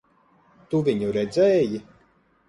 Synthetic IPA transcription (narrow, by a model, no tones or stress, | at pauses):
t̪uvʲiɲuɾɛd̪zɛːji